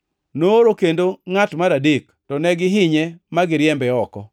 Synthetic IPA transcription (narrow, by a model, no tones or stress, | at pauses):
noːɾokendoŋatmaɾadik | tɔnɛɡɪɦɪɲɛmaɡɪɾjɛmbɛɔkɔ